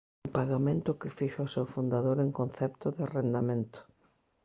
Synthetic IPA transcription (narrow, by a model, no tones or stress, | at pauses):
mpaɣamẽnt̪ʊkɪfiʃoʊsɛwfund̪aðoɾeŋkonθɛpt̪ʊðɪrend̪amẽnt̪ʊ̥